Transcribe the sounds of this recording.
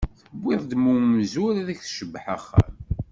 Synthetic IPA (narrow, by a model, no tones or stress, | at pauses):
θəbːɪðˤd̪muwmzʊɾðæçθʃəbːħaχːæ̰m